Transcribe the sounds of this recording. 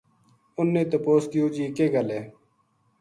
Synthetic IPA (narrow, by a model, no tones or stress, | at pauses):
ʊnːẽːt̪əpoːskɪjoːd͡ʒiːkeːɡəleː